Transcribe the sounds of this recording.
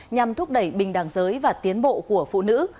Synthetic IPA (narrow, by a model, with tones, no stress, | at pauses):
ɲa˨˩mt̪ʰʊ˦˥k͡p̚ɗə˧˩jɓï˨˩ŋ̟ɗaː˨˩ŋzəː˨˦jvaː˨˩t̪i˨˦ənɓo̰˧˨ku˧˩əfṵ˧˨nɨ̰˧˥